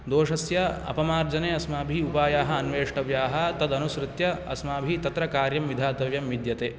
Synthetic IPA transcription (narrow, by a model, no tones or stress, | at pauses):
d̪oːʂɐsjɐɐ̰pɐmaːɾd͡ʒɐneːɐsmaːbʱiupaːjaːɦɐ̆ɐnʋeːʂʈɐʋjaːɦɐt̪ɐd̪ɐnusɾɪt̪jɐɐ̰smaːbʱit̪ɐt̪ɾɐkaːɾjɐmʋid̪ʱaːt̪ɐʋjɐmʋid̪jɐt̪eː